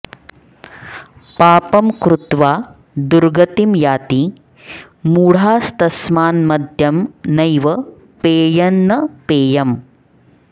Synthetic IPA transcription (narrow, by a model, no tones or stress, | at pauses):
paːpɐmkɾut̪ʋaː | d̪uɾɡɐt̪imjaːt̪i | muːɽ̤aːst̪ɐsmaːnmɐd̪ʱjɐmnɐjʋɐ | peːjɐnːɐpeːjɐm